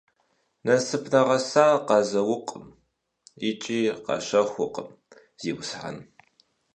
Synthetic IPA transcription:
nɐsɨpʰnɐʁɐsaːqɑzɐwʊqʼəm | ɪt͡ʃʼiːqɑ̰ɕɐxʷʊqʼəm | z̥iːwʊsħa̰n

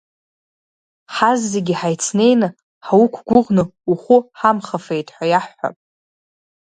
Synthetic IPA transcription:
ħazːeɡʲiħajt͡sʰne̞jnɨ | ħawukʷʰɡʷʊʁnɨuχʷʊħamχafe̞jtʼħʷᶣajaħːa̰pʼ

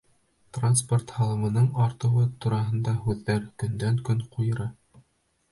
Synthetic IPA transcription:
t̪ransport̪hɑlˠɤ̆mɤ̆nɤɴɑɾt̪ɤ̆wɤt̪uɾɑɦɤ̆nd̪ɑɦʉðːæɾkɵ̆nd̪æŋkɵɴqʰujɤ̆ɾɑ

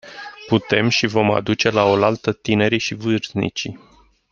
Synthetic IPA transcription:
put̪e̞mʃivo̞ma̰d̪ut͡ʃe̞lao̞lalt̪ət̪ine̞ɾiʃivɨrznḭt͡ʃḭ

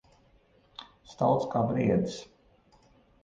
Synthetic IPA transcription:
st̪awˠt̪skaːbɾiɛd̪is

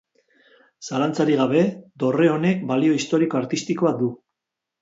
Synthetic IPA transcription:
salant͡saɾiɣ̞aβ̞e̞d̪o̞re̞o̞ne̞k̚balio̞ist̪o̞ɾiko̞aɾt̪ist̪iko̞ad̪u

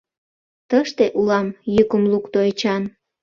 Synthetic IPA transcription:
t̪əʃt̪eʔulɑmjykəmlukt̪oet͡ɕɑn

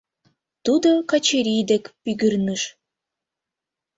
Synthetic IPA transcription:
t̪ud̪okɑt͡ɕeɾʲijd̪ekpyɡɨrnɨʃ

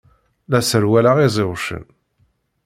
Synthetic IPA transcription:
læsəɾwælaʁizˤɪwʃə̰n

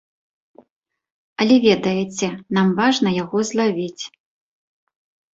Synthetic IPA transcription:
ɐlʲɛvʲɛd̪ɐjɛt͡sʲɛnamvaʐnɐjaɣɔzlˠavʲit͡sʲ

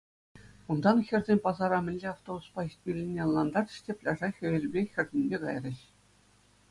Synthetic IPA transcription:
und̪ɑnxʲɘ̆rʲzʲenʲpɑzɑɾɑmʲɘ̆nʲlʲeɑft̪obuspɑisʲt̪̚ʲmʲilʲːinʲːĕɤ̆nlːˠɑnd̪ɑrɕtʲepʲlʲɑʐɑxʲɘ̆ʋʲelʲbʲexʲɘ̆rʲdʲĕnʲbʲeɡɑ̰jrʲɘ̆ɕ

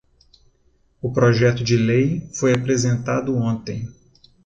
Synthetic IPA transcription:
ʊpɾɔʒɛt̪ʊd͡ʒɪlejfojapɾezẽnt̪ad̪ʊõnt̪ẽj̃

